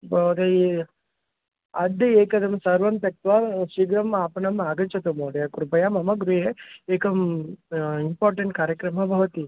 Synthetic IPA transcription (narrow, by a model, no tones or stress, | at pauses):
bɐʋd̪e | ɐd̪ɐeːkɐd̪ɐmsɐɾʋɐmt̪ɐk̚t̪ʋɐʃiɡɾɐmaːpɐɳɐmaːɡɐt͡ʃɐt̪ɐmoːɽɐjɐkɾupɐjamɐmɐɡɾuɦeeːkɐm | impaːɾʈɐɳʈ̚kaːɾjɐkɾɐmɐbʱɐʋɐt̪i